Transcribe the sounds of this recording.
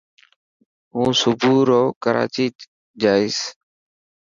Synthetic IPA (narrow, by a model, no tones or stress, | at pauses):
ũːsʊbʱuːɾoːkəɾa̰ːt͡ʃiː | d͡ʒaːɪs